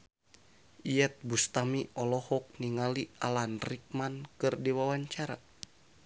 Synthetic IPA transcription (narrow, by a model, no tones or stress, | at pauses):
ijɛt̪̚bust̪amiʔɔlɔhɔk̚niŋaliʔalanrik̚mankɨrdiwawaɲt͡ʃaɾa̰